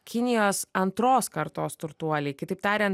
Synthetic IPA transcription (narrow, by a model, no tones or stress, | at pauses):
kʲɪnʲɪjoːsɐnt̪ɾoːskɐɾt̪oːst̪ʊɾt̪uɔlʲɛɪkʲɪt̪ɐɪpt̪ɑːɾʲɛn